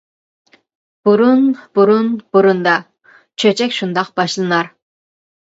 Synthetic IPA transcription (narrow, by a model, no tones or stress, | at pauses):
b̥uɾunb̥uɾunb̥uɾund̪ɑ | t͡ʃʰøt͡ʃʰɛkʲʃund̪ɑqbɑʃlˠɨnɑɾ